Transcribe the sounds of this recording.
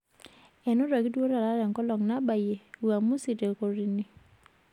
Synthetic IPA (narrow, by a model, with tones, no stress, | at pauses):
ɛ˨no˦ɾa˨ɡi˦dwo˦ɾa˨la˦ɾa˨ŋkɔ˦lɔ˨ŋna˦ba˨je˨wa˨mu˦si˨te˨lko˨ɾi˦ni˦